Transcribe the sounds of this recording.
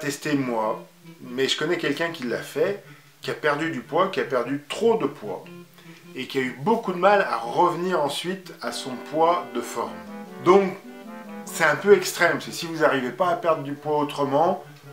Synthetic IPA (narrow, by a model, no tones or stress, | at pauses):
t̪ɛst̪emwa | mɛʒəkɔnɛkʲɛlkʲɛ̃kʲilːa̰fɛ | kʲiapɛʁd̪yd̪ypwakʲiapɛʁd̪yt̪χod̪əpwa̰ | ekʲiaybokud̪əmala̰ʁəvniʁɑ̃sɥit̪asɔ̃pwad̪əfɔʁmd̪ɔ̃k | sɛt̪ɛ̃pøɛkst̪χɛmsɛsivuzaʁivepaːpɛʁd̪ʁəd̪ypwaot̪χəmɑ̃